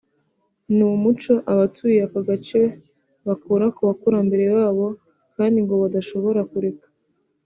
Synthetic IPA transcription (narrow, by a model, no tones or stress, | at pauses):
numut͡ʃo̞ʔaβatʰujiakaɡat͡ʃe̞ | βakuːɾakoβakuɾambe̞ɾe̞waːβo̞ | kaːndiŋɡo̞βadaʃo̞βo̞ɾakuɾe̞kḁ